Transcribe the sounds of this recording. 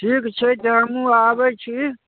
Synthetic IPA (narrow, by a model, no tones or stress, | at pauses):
ʈʰiːkt͡ʃʰet̪amũaːbət͡ʃʰi